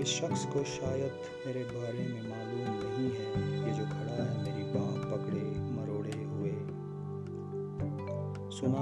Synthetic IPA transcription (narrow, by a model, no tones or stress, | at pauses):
ɪsʃɐxskoʃaːjəd̪ | meːɾebʱaːɾemẽmaːluːmkɐɦĩɦɛkid͡ʒoːkʰɐɽaːjameːɾibãːpɐkɽemɐɾoːɽeɦʊeː | sʊnaː